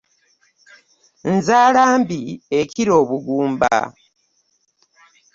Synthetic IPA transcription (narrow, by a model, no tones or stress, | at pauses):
n̩zaːlaːmbieciɾo̞ːβuɡuːmb̰a̰